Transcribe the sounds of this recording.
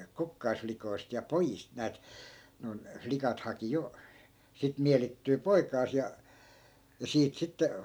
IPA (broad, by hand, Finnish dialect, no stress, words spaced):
kukːɑisflikoist jɑ pojist næːt noi̯n flikɑt hɑki jo sit mielitːyː poikɑːs jɑ jɑ siːt sitːe